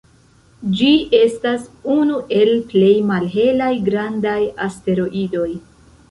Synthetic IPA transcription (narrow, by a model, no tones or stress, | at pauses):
d͡ʒie̞stasunuʔe̞lple̞jmalɦe̞lajɡɾandajaste̞ɾo̞ʔido̞j